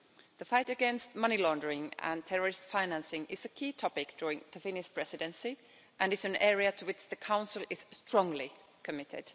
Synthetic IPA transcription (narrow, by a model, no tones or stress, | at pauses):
ðəfaɪɾɨɡɛ̃nst̚mʌnilɔ̃ndə˞ɪ̃ŋə̰̃ntʰɛɹə˞ɨstfãɪnæ̃nsɪ̃ŋɪz̥ɨkʰitʰɔpɪk̚d̥ʊɹɪ̃ŋðɨfɪ̃nɪspʰɹ̥ɛsɨɾɨ̃nsi | ʔɨ̃nɨsɨ̃nɛɹiɨtʰəwɪt͡ʃðɨkʰãʊ̃nsl̩ˠɪz̥stɹ̥ɔ̃ŋli | kʰɨmɪɾɪ̰d̥